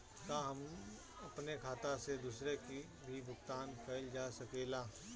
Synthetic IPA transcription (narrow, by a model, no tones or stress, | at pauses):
kaɦɐm | ɐpnekʰaːt̪ased̪uːsɾeki | bʱibʱʊkt̪aːnkɐld͡ʒaːsɐkeːlaː